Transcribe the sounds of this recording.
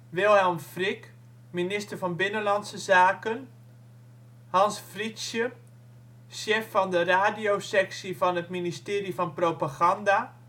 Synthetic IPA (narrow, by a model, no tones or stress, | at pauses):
ʋɪlˠhamfrik | minɪstərfɔnbɪnəlansəzaːkən | hɑnsfrisjə | ʃeːfːɔndəraːdijosɛksifɔnətministɪːrifɔnpropaɣanda